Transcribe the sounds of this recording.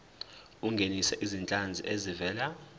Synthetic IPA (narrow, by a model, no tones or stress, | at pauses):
uŋɡʱenisɛʔizint͡ɬʼand͡zʱiʔezivɛːla